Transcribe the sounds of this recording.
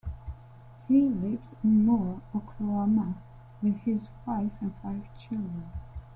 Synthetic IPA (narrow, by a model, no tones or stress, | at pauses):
hilɪvzɪ̃nmɔɹɔkʰloamə | wɨð̥ɪzwaɪfɨ̃nfaɪv̥t͡ʃʰɪlˠdɹə̃n